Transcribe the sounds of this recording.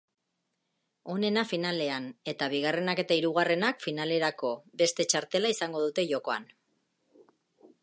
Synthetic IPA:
o̞ne̞nafinale̞ane̞t̪aβ̞iɣare̞nake̞t̪aiɾuɣare̞nakfinale̞ɾako̞be̞st̪e̞t͡ʃaɾt̪e̞laisaŋɡo̞ðut̪e̞ʝo̞ko̞a̰n

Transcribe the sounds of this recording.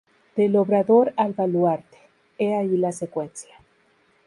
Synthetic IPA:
d̪̥elo̞βɾaðo̞ɾalβalwaɾt̪e̥ | eailasekwe̞nsjḁ

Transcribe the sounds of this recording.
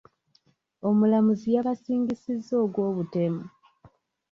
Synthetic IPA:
o̞mulamuzijaβasiːŋɡisizːo̞ːɡwo̞ːβute̞mu

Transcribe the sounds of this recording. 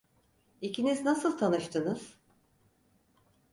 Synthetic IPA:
icʰiniznasɯlˠt̪ʰanɯʃt̪ʰɯnɯz̥

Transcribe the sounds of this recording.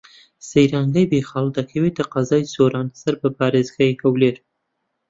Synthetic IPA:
sejɾaŋɡajbexɑːld̪akʰɐwet̪aqɑzɑːjsoɾɑːnsaɾbəpɑːɾezɡajekawleɾ

